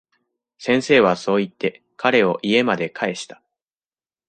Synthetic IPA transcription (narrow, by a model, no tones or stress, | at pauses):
sẽ̞ɰ̃se̞ːβ̞aso̞ːit̪ːe̞ | kʰaɾe̞o̞ʔie̞mad̪e̞kʰae̞ɕi̥t̪ḁ